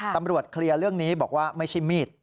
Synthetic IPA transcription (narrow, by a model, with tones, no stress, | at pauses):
t̪a˧mɾu˨˩ət̪̚kʰli˧ɐɾɯ˥˩əŋniː˦˥bɔː˨˩k̚waː˥˩ma˥˩jt͡ɕʰa˥˩jmiː˥˩t̪̚